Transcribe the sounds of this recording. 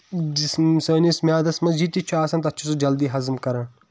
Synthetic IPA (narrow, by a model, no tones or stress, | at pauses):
ssəːnismʲjaːd̪ɐsmɐzd͡ʒit̪ːit͡ʃʰuaːsɐnt̪ɐt̪t͡ʃʰusud͡ʒɐld̪iːɦɐzmkɐɾɐː